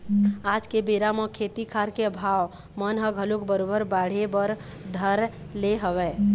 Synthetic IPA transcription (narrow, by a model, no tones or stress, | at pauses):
ad͡ʒkebeɾamə̃kʰet̪ikʰaɾkeəbʱaw | mənɦəɡʱəlokbəɾobəɾbaɽ̤ebəɾ | d̪ʱəɾ | leɦəwɛ